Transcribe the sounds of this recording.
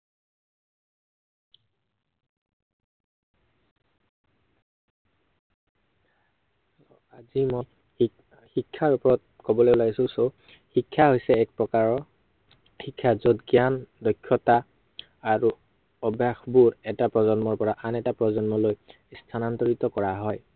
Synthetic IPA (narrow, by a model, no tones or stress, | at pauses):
azimoj | xikʰːaɹupɔɹɔt̚kɔbɔlojulaɡisʊ̃so | xikʰːaɦojsɛːk̚pɹɔkaɹɔ | xikʰːazotɡiandɔjkʰːɔta | aɹu | ɔbjaxbuɹɛtapɹɔzɔnmɔɹpɔɹaʔanɛtapɹɔzɔnmɔloj | stʰanantɔɹitɔkɔɹaɦɔj